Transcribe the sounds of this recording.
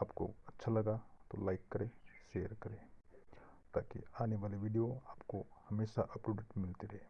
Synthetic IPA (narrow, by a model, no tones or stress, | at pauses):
aːpko̰ɐtːʃʰalɐɡat̪olaɪkːɐɾeːʃeːəɾkɐɾẽː | t̪aːkḭaːneʋaːleʋiːɖijoaːpkohɐmeːʃaʔɐpɾoːɖeʈmɪlt̪iɾɛɦeː